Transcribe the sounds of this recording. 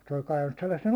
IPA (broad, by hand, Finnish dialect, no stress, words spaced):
se olʲ kɑiʋɑnːus selːɑsːen